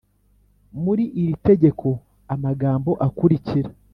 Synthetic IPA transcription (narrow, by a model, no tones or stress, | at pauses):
muɾiʔiɾite̞ɟe̞kʰo̞ | amaɡaːmbo̞ʔakuɾiciɾḁ